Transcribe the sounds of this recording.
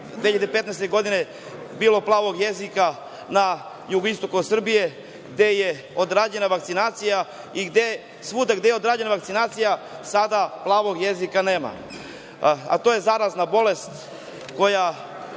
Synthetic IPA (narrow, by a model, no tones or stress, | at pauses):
d̪ʋeʎepe̞t̪naɛjst̪eɡo̞d̪ine | biːlˠo̞plˠaːʋo̞ɡje̞zika | na | juɡoist̪o̞kusr̩bije̞ | ɡd̪e̞je | o̞d̪ɾad͡ʑe̞naʋakt̪sinaːt̪sija | iɡd̪e | sʋuːd̪aɡd̪ejeo̞d̪ɾaːd͡ʑe̞naʋakt̪sinaːt̪sijasad̪aplˠaːʋo̞ɡje̞zikane̞ːma̰ | a̰t̪oje̞zaːɾaznabo̞le̞st̪ | ko̞ja